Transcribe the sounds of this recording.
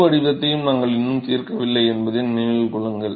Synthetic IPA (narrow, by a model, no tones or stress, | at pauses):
ʋɐɽɪbɐt̪ːɐjɯmnaːŋɡɐɭɪnːɯmt̪iːrkɐʋɪlːɐɪɛnbɐðɪnmelkʊɭɐŋɡɐɭ